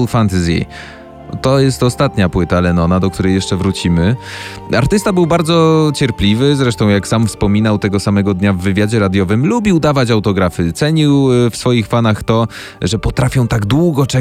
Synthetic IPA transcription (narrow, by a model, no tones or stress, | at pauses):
lfant̪zjḛj | t̪ɔjɛst̪ɔst̪at̪ɲapwɘt̪alɛnɔnad̪ɔkt̪uɾɛjːɛʂt͡ʂɛvɾut͡ɕimɘ | a̰ɾt̪ɘst̪abɘwbaɾd̪zɔt͡ɕɛɾpʲlʲivɘzɾɛʂt̪ɔ̃w̃jaksamfspɔmʲinawt̪ɛɡɔsamɛɡɔd̪ɲavːɘvʲjad͡ʑɛɾad̪jɔvɘmlubʲiwd̪avat͡ɕawt̪ɔɡɾafɘt̪sɛɲiwfsfɔjixfanaxt̪ɔ | ʐɛpɔt̪ɾafʲjɔ̃w̃t̪aɡd̪wuɡɔt͡ʂɛ